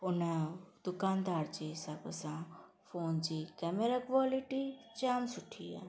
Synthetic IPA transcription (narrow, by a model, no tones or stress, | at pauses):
ɦʊnɛd̪ʊkaːnd̪aːɾt͡ʃeːsabəsãː | fʰoːnd͡ʒiːkɛːmeɾaːkʋaːlɪʈit͡ʃaːmsʊʈʰːiːa̰ː